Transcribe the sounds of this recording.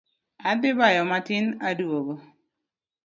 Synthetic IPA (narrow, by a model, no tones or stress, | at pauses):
ad̪ɪbajɔmatɪnadwoɡo